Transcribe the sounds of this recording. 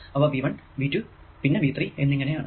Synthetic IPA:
ɐʋɐʋiʋɐɳʋiːtːu | pinːeʋiːt̪rienːiŋːɐnejaːɳɨ

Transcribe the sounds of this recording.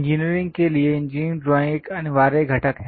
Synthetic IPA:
ɲd͡ʒiːniɾɪ̃ŋɡ̚kelieɪ̃ɲd͡ʒĩːnʈɾoːɪ̃kɐnʋaːɾeɡʱɐʈəkɦɛ

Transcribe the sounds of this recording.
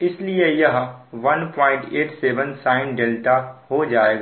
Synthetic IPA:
ɪsliejɐɦʋɐnpɔ̃ːɪ̃ɳʈeːʈseːʋənsaːɪ̃nɖeːlʈahod͡ʒaːeːɡaː

